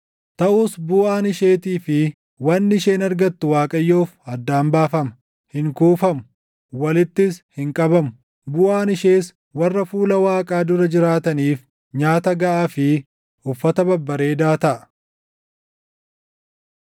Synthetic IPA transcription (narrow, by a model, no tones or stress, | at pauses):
t̪ɐʔuːsbʊʔaːnɪʃeːt̪iːfɪ | wɐnːɪʃe̞ːnɐɾɡɐt̪ːʊwaːkʼɐjːoːfɐd̪ːaːmbaːfɐmɐ̥ | hɪŋkuːfɐmʊ | wɐlɪt̪ːɪshɪŋkʼɐbɐmʊ | bʊʔaːnɪʃe̞ːs | wɐrːɐfuːlɐwaːkʼaːd̪ʊɾɐd͡ʒɪɾaːt̪ɐniːf | ɲaːt̪ɐɡɐʔaːfɪ | ʊfːɐt̪ɐbɐbːɐɾe̞ːd̪aːt̪ɐʔɐ̥